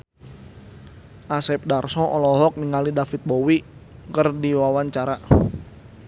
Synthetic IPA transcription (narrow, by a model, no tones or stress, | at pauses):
ʔasɛp̚darsɔʔɔlɔɦɔk̚niŋalidafit̪̚bowikərdiwawaɲt͡ʃaɾa